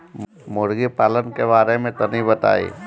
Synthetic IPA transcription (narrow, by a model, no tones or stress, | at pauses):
mʊɾɡipaːlənkebaːɾemẽt̪onibət̪a̰ːḭ